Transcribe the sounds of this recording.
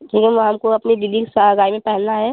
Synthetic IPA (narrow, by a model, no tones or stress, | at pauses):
ʈʰiːkemɦɐmkoɐpnid̪id̪iksəɡaːimẽpɛɦɛlnaɦɛː